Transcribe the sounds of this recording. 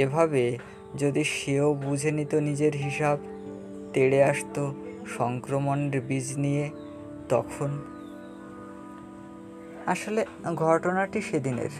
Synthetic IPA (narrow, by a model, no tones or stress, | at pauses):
ebʱabe | d͡ʑod̪iʃeobud͡ʑʱenit̪onid͡ʑeɾɦiʃab | t̪eɽeaʃt̪oʃɔŋkɾomoneɾbid͡ʑnije | t̪ɔ̰kʰon | aʃole | ɡʱɔʈonaʈiʃed̪inḛɾ